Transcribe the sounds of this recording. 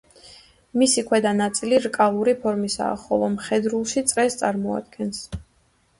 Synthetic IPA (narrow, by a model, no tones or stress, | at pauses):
misikʰwɛd̪anat̪sʼiliɾkʼalˠuɾipʰɔɾmisa̰ːχɔlˠɔmχɛd̪ɾulˠʃit̪sʼɾɛst̪sʼaɾmɔa̰d̪̚ɡɛns